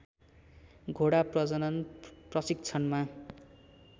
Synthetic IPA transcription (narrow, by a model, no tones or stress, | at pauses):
ɡʱoɽaprʌd͡zʌnʌnprʌsik̚t͡sʰʌnma